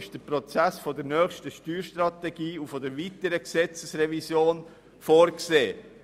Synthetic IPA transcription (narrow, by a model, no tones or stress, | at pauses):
ɪʃd̥əpɾot͡sæsfodəɾnœːχʃtəʃtyːɾʃtɾɑtɛɡ̥iːufodəɾʋitəɾəksɛt͡səsɾɛvisjoːn | foːɾkseː